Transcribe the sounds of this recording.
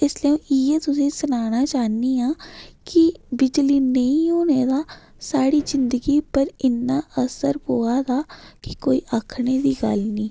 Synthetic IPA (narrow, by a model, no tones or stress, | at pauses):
ɪslɛõːjeːt̪ʊsĩːsʊnaːnaːt͡ʃaːniːaːkɪbɪd͡ʒliːnəĩːoːneːd̪aː | saːɽiːzɪnd̪əɡiːpəɾɪnːaːʔəsəɾpoːaːd̪aːkɪkoːiːʔakʰneːd̪iːɡə̰lnĩː